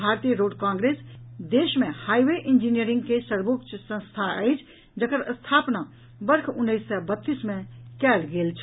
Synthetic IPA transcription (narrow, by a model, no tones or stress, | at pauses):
bʱaːɾt̪ijəɾoːɖkãːŋɡɾeːsd̪eːʃmẽhaːiʋeʔɪnd͡ʒinijəɾɪ̃ŋɡkesəɾbokt͡ʃʰsə̃nst̪ʰaɛ̰ɪt͡ʃʰ | d͡ʒəkəɾəst̪ʰaːpna | bəɾkʰʊnːəɪsːəbət̪ːismẽkɛːlɡeːlt͡ʃʰ